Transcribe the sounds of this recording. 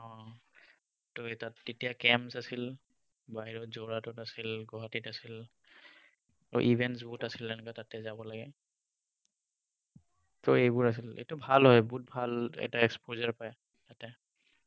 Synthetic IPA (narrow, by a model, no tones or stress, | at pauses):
ɔ̃ | tojtatːetijakɛmsasil | baɦiɹɔzoɹatɔtasilɡɔɦatitasil | ɔ̰ʔibʱɛnts̬butasilɛnɛkatatɛzabɔlaɡɛ | toejbʊɹas̬ilḛtʊbʱalɦɔjbut̚bʱalɛ̰k̚taɛkspozaɹpaj | tatɛ